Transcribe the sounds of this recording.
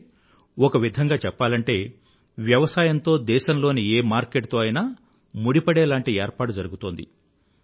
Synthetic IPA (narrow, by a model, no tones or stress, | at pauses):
ɔkɐʋid̪ʱɐŋɡaːt͡ʃɛpːaːlɐɳʈe̞ː | ʋjɐʋɐsaːjɐnt̪o̞ːd̪ɛːʃɐmlo̞ːnieːmaːɾkeʈt̪oːɐjnaː | muɽipɐɽɛːlaːɳʈieːɾpaːʈud͡ʒɐɾuɡut̪o̞ːnd̪ḭ